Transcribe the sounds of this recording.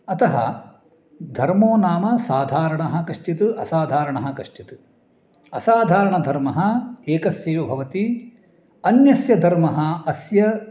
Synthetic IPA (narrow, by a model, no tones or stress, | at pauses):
ɐt̪ɐɦɐ̰ | d̪ʱɐɾmoːnaːmɐsaːd̪ʱaːɾɐɳɐɦɐkɐʂʈit̪uʔɐsaːd̪ʱaːɾɐɳɐɦɐkɐʂʈit̪u̥ | ɐsaːd̪ʱaːɾɐɳɐd̪ʱɐɾmɐɦɐeːkɐsjeːʋɐbʱɐʋɐt̪i | ɐnjɐsjɐd̪ʱɐɾmɐɦɐɐsjɐ